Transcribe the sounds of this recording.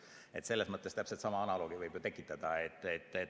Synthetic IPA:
e̞t̪se̞lːe̞smɤt̪ːest̪æpselt̪sɑmɑɑnɑloːɡivɤjbjot̪ekːˑit̪ːˑɑd̪̥ɑet̪ːˑet̪ːˑe

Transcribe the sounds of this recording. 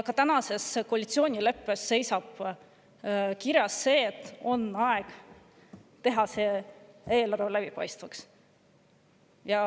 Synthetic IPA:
kɑt̪ænɑse̞sko̞ɑlʲit̪sio̞ːnʲile̞pːe̞sːe̞jsɑb̥ | kiɾjɑsːe̞ːt̪ːˑo̞nɑeɡ̥ | t̪e̞ɦɑse̞e̞ːlɑrvelæb̥ipɑ̰jst̪vɑks | jɑ

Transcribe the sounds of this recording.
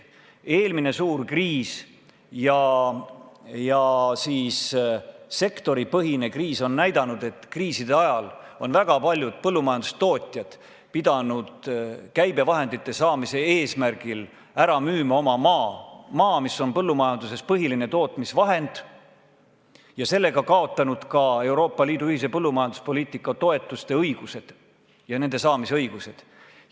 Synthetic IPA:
e̞ːlmine̞suːrkriːs | jɑ | jɑsiːs | se̞kt̪o̞ɾipɤɦine̞kriːso̞nːæjd̪ɑnud̪e̞t̪ːkriːsid̪̥eɑjɑlo̞nvæɡ̥ɑpɑlʲjud̪̥̚pɤlːumɑjɑnd̪u̥st̪o̞ːt̪ʲˑjɑd̪̥ | pid̪̥ɑnud̪̥kæjbe̞vɑɦe̞nd̪̥it̪ːˑe̞sɑːmise̞eːsmærɡ̥il | æɾɑmyːmɑo̞mɑmɑːmɑːmiso̞npɤlːumɑjɑnd̪̥use̞spɤɦiline̞t̪o̞ːt̪ˑmisvɑɦe̞nd̪̥ | jɑse̞lːe̞ɡ̥ɑkɑo̞t̪ːˑɑnud̪̥kɑe̞wɾo̞ːpˑːɑliːd̪uyhis̬epɤlːumɑjɑnd̪̥u̥spo̞liːt̪ˑikːˑɑt̪o̞e̞t̪ːˑust̪e̞ɤjɡ̥use̞d̪̥ | jɑne̞nd̪e̞sɑːmiseɤjɡ̥use̞d̪̥

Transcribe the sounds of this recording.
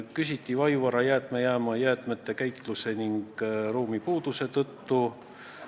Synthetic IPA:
kysʲit̪ʲːˑivɑjuvɑɾɑjæːt̪ˑmejæːmɑjæːt̪ˑme̞t̪ːekæjt̪ˑluse̞niŋɡ̥ruːmipuːd̪̥use̞t̪ɤt̪ːu

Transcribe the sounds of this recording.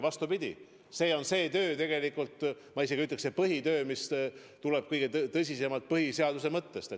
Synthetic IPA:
vɑst̪upid̪̥ʲḭ | se̞ːo̞nse̞ːt̪ø̞ːt̪e̞ɡ̥e̞likˑult̪ | mɑiseɡiyt̪ːˑleksepɤɦit̪ø̞ːmis | t̪ulɛb̥̚kɤjɡ̥e̞t̪t̪ɤs̬ʲise̞mɑt̪̚pɤɦise̞ɑd̪us̬e̞mɤt̪ːe̞st̪e

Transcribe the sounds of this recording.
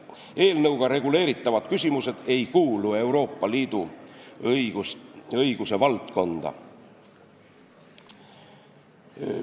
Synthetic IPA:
e̞ːlnɤwɡ̥ɑɾe̞ɡ̥ule̞ːɾit̪ːˑɑvɑd̪̥kysʲimuse̞d̪̥e̞jkuːlue̞wɾo̞ːpˑːɑliːd̪̥u | ɤjɡ̥use̞vɑlt̪ko̞nd̪̥ɑ̰

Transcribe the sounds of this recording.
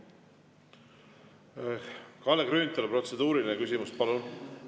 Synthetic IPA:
kɑlːekrøːnit̪ːˑelepro̞t̪se̞d̪̥uːɾilinekysʲimuspɑlun

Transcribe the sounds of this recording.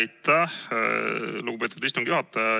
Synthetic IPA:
jt̪ːæh | luɡubpeːt̪ːud̪ist̪umɡ̥ijuhɑt̪ːe

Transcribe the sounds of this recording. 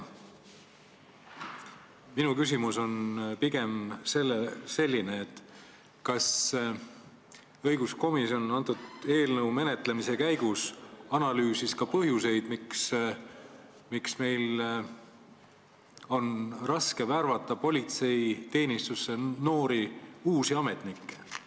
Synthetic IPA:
minukys̬ʲimuso̞npiɡ̥e̞mse̞lːese̞lʲːineːt̪ːˑ | kɑs | ɤjɡ̥usko̞miso̞nɑnt̪ˑud̪̥e̞ːlnɤwme̞ne̞t̪ˑle̞mise̞kæjɡ̥usɑnɑlyːsiskɑpɤɦjuse̞jd̪̥miks | miksme̞jl | o̞nrɑske̞værvɑt̪ˑːɑpo̞lʲit̪se̞jt̪e̞ːnist̪usːe̞no̞ːɾiuːsiɑmet̪ˑnikːe̥

